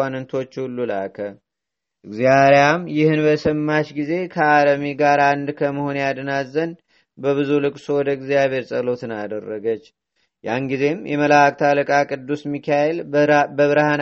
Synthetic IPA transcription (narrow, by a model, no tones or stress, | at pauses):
anɨnt̪ʰo̞t͡ʃːhulːula̰kʰə | ʔɨɡzjaɾejamjɪhɨnbəsəmːaʃɡize̞kʰəaləmiɡaɾand̪kʰəməho̞njad̪ənazːən | bəβɨzulɨkʼsowɔd̪əɨɡzijaβʱe̞ɾsʼəlo̞t̪ʰɨnad̪ərːəɡət͡ʃː | ja̰nɡize̞mjɛməlak̚ʼt̪ʰaləkʼakʼɨd̪ːusmikʰaelbəβɨɾhan